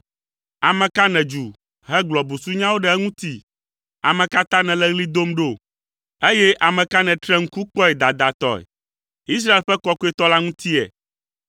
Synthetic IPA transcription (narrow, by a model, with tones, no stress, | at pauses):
a˨mɛ̃˨ka˦nɛ̃˨d͡ʒu˨ | ɦɛ˦ɡ͡blɔ˨bu˨su˦ɲã˦wo˦ɖɛ˦ɛ˦ŋũ˦t̪i˦ | a̰˨mɛ̃˨ka˦t̪ã˦nɛ̃˨lɛ˦ɣli˦d̪o˦mɖo˦˨ | e˦jɛ˦ʔa˨mɛ̃˨ka˦nɛ̃˨t̪ɾɛ˦ŋ̩˦ku˦k͡pɔ˦ɛ˨d̪a˨d̪a˨t̪ɔ̰˨ɛ̰˨ | i˦s̬ɾa˦e˨lɸɛ˦kɔ˦ku˦ɛ˦t̪ɔ˦la˦ŋũ˦t̪i˦ɛ̰˨